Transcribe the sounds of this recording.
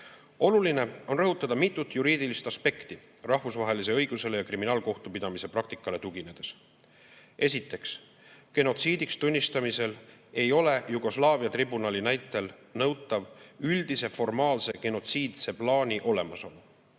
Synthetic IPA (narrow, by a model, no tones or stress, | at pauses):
o̞luline̞o̞nrɤɦut̪ːˑɑd̪ɑmit̪ːˑut̪ːˑjuɾiːd̪̥ilist̪ɑspe̞kt̪i | rɑhvusvɑɦe̞lis̬e̞ɤjɡ̥use̞le̞jɑkriminɑːlko̞ht̪upid̪ɑmise̞prɑk̚t̪ikːˑɑle̞t̪uɡine̞d̪̥e̞s | e̞s̬it̪ːˑe̞ks | ke̞no̞t̪siːd̪̥ikst̪unʲːist̪ɑmise̞le̞jo̞le̞juɡ̥o̞slɑːviɑt̪ribunɑlinæjt̪ːˑe̞lnɤwt̪ːˑɑvyld̪̥ise̞fo̞rmɑːlse̞ke̞no̞t̪siːd̪̥se̞plɑːnʲiʔo̞le̞mɑso̞n